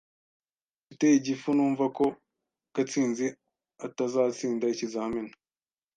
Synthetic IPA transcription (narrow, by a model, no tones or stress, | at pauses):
citejiɟifunuːɱvako | kat͡siːnzi | atazaːt͡siːndaicizaːmena